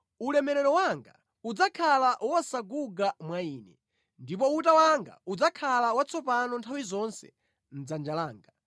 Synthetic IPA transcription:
ulɛmɛɾɛɾɔwaŋɡa̰ | ud͡zakʰalaʔwɔwasaɡuɡamwaiːnɛ | ndip̬ɔutawaŋɡa̰ud͡zakʰalawat͡sʰɔpanɔntʰawizɔnsɛ̥̰ | n̩d͡zand͡ʒalaːŋɡa

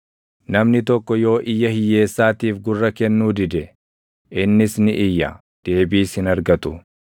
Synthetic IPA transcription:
nɐmnɪt̪ɔkːɔjo̞ːʔɪjːɐhɪjːe̞ːsːaːt̪iːfɡʊrːɐkɛnːuːd̪ɪd̪ɛ | ʔɪnːɪsnɪʔɪjːɐ̰ | d̪̥e̞ːbiːshɪnɐɾɡɐt̪ʊ

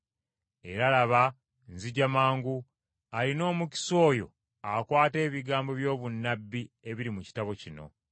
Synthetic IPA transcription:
e̞ɾalaβa | nziɟamaːŋɡu | alino̞ːmuci̥so̞ːjo̞̰ | akwaːte̞ːβiɡaːmbo̞βjo̞ːβunːabːie̞βiɾimuci̥taβo̞cino̞̰

